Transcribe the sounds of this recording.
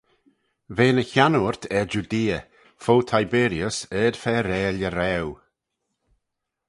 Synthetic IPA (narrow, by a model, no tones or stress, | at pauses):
veːnəçanuɹt̪ʰɛd͡ʒud̪iːə | fowt̪ʰajbeːɾiəsəd̥fɛɾɛːləɾɛw